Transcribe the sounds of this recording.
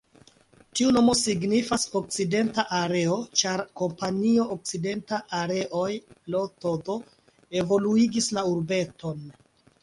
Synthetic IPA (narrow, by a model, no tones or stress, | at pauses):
tiuno̞mo̞siɡnifaso̞k̚t͡side̞ntaʔaɾe̞o̞t͡ʃaɾko̞mpanio̞ʔok̚t͡side̞ntaʔaɾe̞ʔojlo̞todo̞ | e̞vo̞luiɡislauɾbe̞to̞n